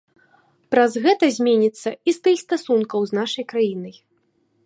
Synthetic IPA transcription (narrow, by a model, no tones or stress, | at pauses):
pɾazɣɛt̪ɐzʲmʲenʲit̪sːɐist̪ɨxst̪asunkɐwznaʂɐjkɾajinɐj